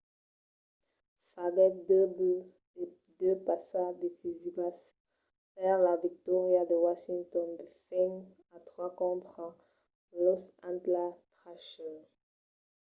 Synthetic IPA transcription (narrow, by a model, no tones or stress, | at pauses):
faɡɛdb | d̪øpasad̪ifizivas | fɛʁlavik̚t̪ɔʁjad̪əwaʃĩŋt̪ɔ̃nd̪əsɛ̃k | at̪χwakɔ̃pχɑ̃ | lɔsãnt̪lat̪χaʃɔ